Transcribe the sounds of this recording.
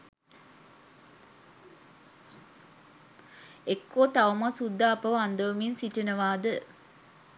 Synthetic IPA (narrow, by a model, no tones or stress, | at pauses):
ekːoːt̪aʋəmasud̪ːaːpəʋand̪əʋəminsiʈinəʋaːd̪ə